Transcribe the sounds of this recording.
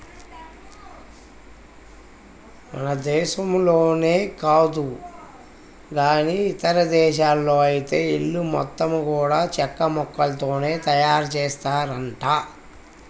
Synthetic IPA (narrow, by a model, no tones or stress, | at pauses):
mɐ̰nɐd̪ɛːʃɐmlo̞ːne̞ːkaːd̪u | ɡaːniːt̪ɐɾɐd̪ɛːʃ̬aːlːo̞ːɐjit̪e̞ːiɭːumɔ̰t̪ːɐmkuːɽaːt͡ʃɛkːɐmɔkːɐlɐt̪o̞ːne̞ːt̪ɐjaːɾt͡ʃɛːst̪aːɾɐɳʈaː